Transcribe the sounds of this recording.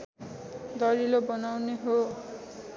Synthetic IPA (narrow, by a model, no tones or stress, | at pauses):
d̪ʌɾilobʌnawneɦo